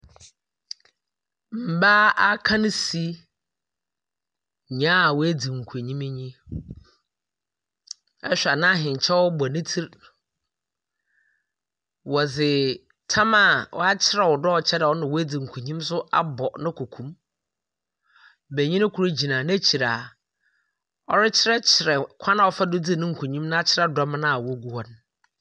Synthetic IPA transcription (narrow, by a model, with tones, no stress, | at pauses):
m̩˨baː˦a˦kʰã˦nʊ̃˦si˦˨ | ɲã˦˨wɔ˦æ˦di˨ŋ̩˨kʰu˨e˨ɲĩ˦mɪ˦ɲĩ˦ | ɛ̰˦ɕᶣa˨nã˦ɦɪ̃˨ɲ˨t͡ɕʰɛ˦wɔ˦ba˨nɪ̃˦tʰi˦ɾ | wɔ˨d͡zɪ˨ | tʰã˦ma˦˨wɔ̰˦a˦t͡ɕʰɪ˦ɾɛ˨wɔ˨dɔ˦ɔ˨t͡ɕʰɛ˦dɛ˨ɔ˦nɪ̃˨wɔ˦æ˦d͡zi˨ŋ̩˨kʰɲĩ˦ms̬ʊ˦a̰˦bɔ˨nɪ̃˦kʰu˨kʰũ˦m | bæ˨ɲĩ˦nɪ̃˦kʰu˨ɾe˦d͡ʑi˨nã˨n˦æ˦t͡ɕʰi˨ɾa˨ | ɔ˦ɾɪ˦t͡ɕʰɪ˦ɾɛ˦t͡ɕʰɪ˨ɾɛ˨kʷʰã˦nã˨ɔ˨fa˦dʊ˦d͡zi˦˨nɪ̃˦ŋ̩˨kʰʷu˨ɲĩ˦mnã˦a˦t͡ɕʰɪ˦ɾɛ˦dɔ˦m˦nã˦a˨wɔ˦ɡu˦wɔ˨n